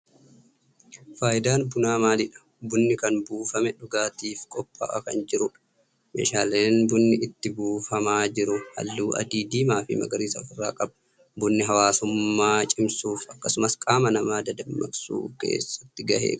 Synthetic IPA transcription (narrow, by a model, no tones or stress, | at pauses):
faːjɪd̪aːnbʊnaːmaːlɪᶑɐ̥ | bʊnːɪkɐnbuːfɐmɛᶑʊɡaːt̪iːfkʼɔpʼːɐ̰ʔɐkɐ̰nd͡ʒɪɾʊᶑ | mḛːʃaːleːnbʊnːɪɪt̪ːɪbuːfɐmaːd͡ʒɪɾʊhɐ̰lːuːʔɐ̰d̪iːd̪iːmaːfɪ̰mɐ̰ɡɐɾiːsɐɪrːa̰ːkʼɐbɐ | bʊnːɪɦɐwaːsʊmːaːt͡ʃʼɪmsuːfɐkːɐsʊmɐskʼaːmɐnɐmaːd̪ɐd̪ɐmːɐ̰ksṵːke̞̰ːsːɐ̥t̪ːɪɡɐhḛːk